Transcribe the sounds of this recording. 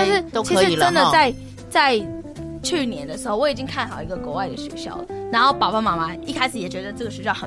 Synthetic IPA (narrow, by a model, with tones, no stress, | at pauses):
t̪nʂɻ̩˥˩o˥ʊt͡ɕki˧˥ʂɻ̩˧i˨˩lə˥nd̪ə˨t͡sa˥˧ɪ | t͡sa˥˧ɪ | t͡ɕʰy˥˩njɛ˧˥nd̪ə˧ʂɻ̩˧˥xo˥˩ʊwɔ˧˥i˨˩t͡ɕi˥ŋkʰa˥˩nxɑ˨˩ʊi˧˥ɡə˧kwɔ˧˥wa˥˩ɪd̪ə˩ɕwḛ˨˩ɪɕjɑ̰˥˩ʊlə˦na˧˥nxo˥˩ʊpɑ˨˩ʊpa˥˩ma˧˥ma˧i˥˩kʰa˥ɪʂɻ̩˨˩jɛ˨˩t͡ɕɥɛ˧˥d̪ə˧ʈ͡ʂɤ˥˩ɡə˩ʂɻ̩˥˩xə˨˩